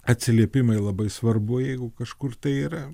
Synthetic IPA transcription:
ɐt̪ʲsʲɪlʲiɛpʲɪmɐɪlˠɐbɐɪsʋɐrbʊjɛɪɡʊkɐʃkʊrt̪ɐɪiːɾɐ

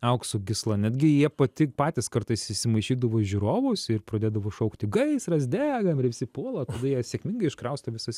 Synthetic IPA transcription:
ɐʊksʊɡʲɪslˠɐnʲɛd̪ʲɡʲɪjiɛpɐt̪ʲɪpɑːt̪ʲɪskɐɾt̪ɐɪsɪʃʲsʲɪmɐɪʃʲiːd̪ɐʋoːʒʲuɾoːʋʊːsɪrpɾɐd̪ʲeːd̪ɐʋoːʃɐʊkt̪ʲɪɡɐɪsrɐzʲd̪ʲæːɡɐmɪɾʋʲɪsʲɪpoɔlˠɐt̪ɐd̪ɐjiɛsʲeːkmʲɪŋɡɐɪɪʃkɾɐʊst̪ɐʋʲɪsɐsʲ

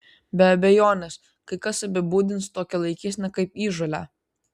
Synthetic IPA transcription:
bʲɛɐbʲɛjoːnʲɛs | kɐɪkɐsɐbʲɪbuːd̪ʲɪnst̪oːkʲɛlˠɐɪkʲɪsʲnʲɛkɐɪpiːʒolʲæ̰ː

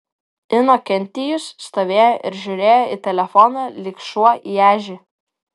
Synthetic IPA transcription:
ɪnoːkʲɛnʲt̪ʲɪjʊsːt̪oːʋʲeːjoʔɪɾʒʲʊɾʲeːjoːit̪ʲɛlʲɛfɔnɐlʲɪkʃuɔiæːʒʲɪ

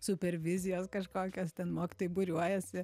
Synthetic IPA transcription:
sʊpʲɛɾʲʋʲɪzʲɪjoːskɐʃkoːkʲoːst̪ʲɛnmoːkʲɪ̥t̪oːjʊbʊɾʲuɔjɛsʲɪ

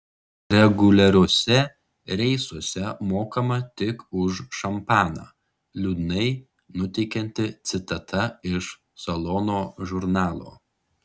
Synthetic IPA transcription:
ɾʲɛɡʊlʲɛɾʲoɔsʲɛ | ɾʲɛɪsuɔsʲɛmoːkɐmɐt̪ʲɪkʊʃʃɐmpɑːnɑ̰ː | lʲuːd̪ʲnɐɪ | nʊt̪ʲɛɪkʲɛnʲt̪ʲɪt̪sʲɪt̪ɐt̪ʰɐɪʃ | sɐlˠɔnoːʒʊɾnɑːlˠo̰ː

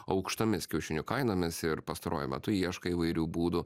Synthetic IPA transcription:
ɐʊkʃt̪ɐmʲɪskʲɛʊʃʲɪnʲʊkɐɪnoːmʲɪsɪɾpɐst̪ɐɾʔo̰ːjʊmʲɛ̰t̪ʊjiɛʃkɐiːʋɐɪɾʲuːbuːd̪ʊ

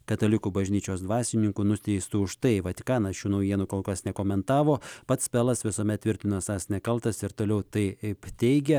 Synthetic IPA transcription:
kɐt̪ɐlʲɪkuːbɐʒʲnʲiːt͡ʃʲoːsd̪ʋɑːsʲɪnʲɪŋkunʊsʲt̪ʲɛɪst̪uʊʃt̪ɐɪʋɐt̪ʲɪkɑːnɐsjuːnɐʊjiɛnukoːlˠkɐsnʲɛkoːmʲɛnt̪ɑːʋoːpɐt̪spʲæːlˠɐsʋʲɪsoːmʲɛt̪t̪ʲʋʲɪɾʲt̪ʲɪnoːsɑːsnʲɛkɐlˠt̪ɐsɪɾt̪oːlʲɛʊt̪ɐɪɪpt̪ʲɛɪɡʲɛ

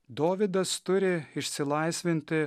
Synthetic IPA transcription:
d̪oːʋʲɪd̪ɐst̪ʊɾʲɪɪʃʲsʲɪlˠɐɪsʲʋʲɪnʲt̪ʲɪ

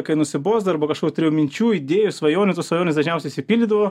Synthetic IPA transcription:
kɐɪnʊsʲɪboːzd̪ɐɐɾboːkɐʃkoːkʲut̪ʲɾʲɪjumʲɪnʲt͡ʃʲuːɪd̪ʲeːjʊsʋɐjoːnʲɪt̪oːsʋɐjoːnʲɪsd̪ɐʒʲnʲɛʊsʲɛɪisʲɪpʲiːlʲdʲɪd̪ɐʋoː

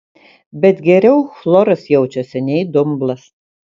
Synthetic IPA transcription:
bʲɛt̪ɡʲɛɾʲɛʊxlˠɔɾɐsjɛʊt͡ʃʲosʲɛnʲɛɪd̪ʊmblˠɐs

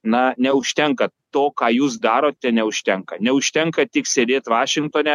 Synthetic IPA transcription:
nɐnʲɛʊʃʲt̪ʲɛŋkɐt̪oːkɑːjuːs̬d̪ɑːɾoːt̪̚ʲt̪ʲɛnʲɛʊʃʲt̪ʲɛŋkɐnʲɛʊʃʲt̪ʲɛŋkɐt̪ʲɪksʲeːd̪ʲeːt̪ʋɑːʃʲɪŋkt̪oːnʲɛ

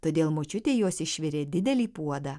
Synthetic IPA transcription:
t̪oːd̪ʲeːlˠmoːt͡ʃʲʊt̪ʲeːjuɔsɪʃʲʋʲɪɾʲeːd̪ʲɪd̪ʲɛlʲiːpuɔd̪ɐː

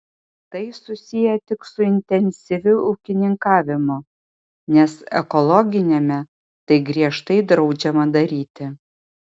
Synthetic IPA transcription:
t̪ɐɪsʊsʲɪjɛt̪ʲɪksʊɪnʲt̪ʲɛnʲsʲɪʋʲʊʊːkʲɪnʲɪŋkɑːʋʲɪmʊ | nʲɛsɛkɔlˠɔɡʲɪnʲɛmʲɛ | t̪ɐɪɡɾʲiɛʃt̪ɐɪd̪ɾɒʊd͡ʒʲɛmɐd̪ɐɾʲiːt̪ʲɪ

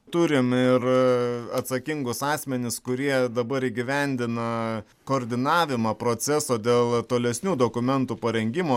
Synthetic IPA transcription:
t̪ʊɾʲɪmɪɾɐt̪sɐkʲɪŋɡʊsɑːsʲmʲɛnʲɪskʊɾʲiɛd̪ɐbɐɾiːɡʲɪʋʲɛnʲd̪ʲɪnɐ | koːɾʲd̪ʲɪnɑːʋʲɪmɑːpɾoːsʲɛsoːd̪ʲeːlˠt̪oːlʲɛsʲnʲuːd̪oːkʊmʲɛnt̪uːpɐɾʲɛŋʲɡʲɪmoː

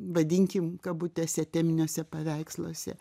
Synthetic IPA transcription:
ʋɐd̪ʲɪŋʲkʲɪmkɐbuːt̪ʲesʲɛt̪ʲɛːmʲɪnʲoːsʲɛpɐʋʲɛɪkslˠo̰ːsʲɛ̰

